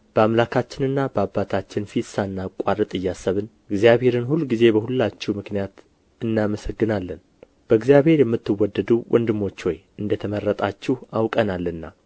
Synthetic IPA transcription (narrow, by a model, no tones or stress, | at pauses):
b̥əamlakʰat͡ʃːɪnɨnːabəabːat̪ʰat͡ʃːɪnfisaɨnːakʼaɾɨt̪ʼɨjːasːəβɨn | ɨɡzijaβhe̞ɾɨnhulːɡize̞bəhulːat͡ʃːɛmɨknijat̪ | ɨnːaməsəɡːɨnalːən | b̥əɡzijaβhe̞ɾjɛmːɨt̪ːɨwːɔd̪ːəd̪uwʔɔ̰nd̪ɨmːo̞t͡ʃːwoj | ɨnd̪ət̪ʰəmərːət̪ʼat͡ʃːɪhawkʼənalːɨnːa̰